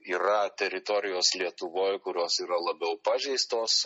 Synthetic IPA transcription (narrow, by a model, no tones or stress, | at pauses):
iːɾɐt̪ʲɛɾʲɪt̪oɾʲɪjoːslʲiɛt̪ʊʋoːjkʊɾʲoːsiːɾɐlˠɐbʲɛʊpɑːʒʲɛɪst̪oːs